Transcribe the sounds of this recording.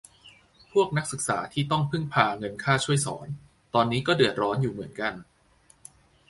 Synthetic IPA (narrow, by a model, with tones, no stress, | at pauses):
pʰu˥˩ək̚na˦˥k̚sɯ˨˩k̚sa̰ː˩˦t̪ʰiː˥˩t̪ɔ˥˩ŋpʰɯ˥˩ŋpʰaː˧ŋɤ˧nkʰaː˥˩t͡ɕʰu˥˩əjsɔ̰ː˩˦n | t̪ɔː˧nːiː˦˥kɔː˥˩dɯ˨˩ət̪̚ɾɔː˦˥njuː˨˩mɯ˩˦ənka˧n